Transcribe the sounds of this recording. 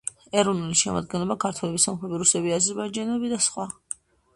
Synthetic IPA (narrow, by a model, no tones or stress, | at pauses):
ɛɾɔvnuliʃɛma̰d̪̚ɡɛnlˠɔbakʰaɾt̪ʰwɛlɛbisamχɛbiɾusɛbiazɛɾbaid͡ʒanɛbid̪asχwa